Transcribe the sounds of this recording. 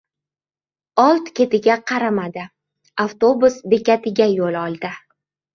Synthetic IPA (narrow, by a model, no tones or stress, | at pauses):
ɒlˠt̪kʲe̞t̪ɪɡʲaqʰɑɾamad̪ɪ | aft̪o̞bʊsbe̞kʲat̪ɪɡʲajolɒlˠd̪ɪ